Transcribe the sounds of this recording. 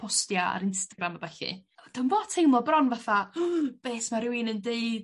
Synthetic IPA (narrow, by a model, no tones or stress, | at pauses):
pʰɔstjaa̰ɾɪnstaɡɾamabɛɬɨ̰d̥ənvoːtʰejmlˠɔbrɔnvaθab̥eːsmaɾɪwɪnəndeɨd̥